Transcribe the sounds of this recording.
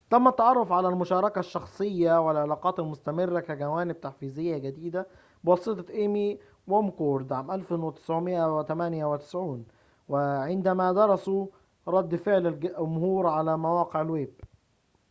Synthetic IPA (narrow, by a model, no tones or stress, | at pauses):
t̪æmːæt̪ːɑʕɑrˤːofʕalælmʊʃɑːɾˤɑkæʃːɑxsˤejːawɪlʕelɑːqɑːt̪ɪlmʊst̪æmɪrːakæɡæwæːnɪb̚t̪aħfiːzɪjːæɡæd̪iːd̪æ | bwɑsˤɨt̪ˤɑʔemi | womkoːɾˤd̪ʕaːmʔælfwɪt̪ɪ̥sʕʊmɪʔæwɪt̪æmænjæwɪt̪ɪ̥sʕuːn | wɪʕɪnd̪æmæd̪ɑɾˤɑsu | ɾˤɑd̪ːfeʕlɪlʊmhuːɾʕalæmawɑːqeʕɪlweːb